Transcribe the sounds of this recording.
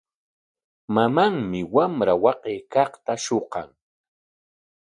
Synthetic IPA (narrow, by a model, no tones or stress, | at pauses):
mamaŋmɪwamɾawɑqejkɑχt̪aʃoqɑ̰ŋ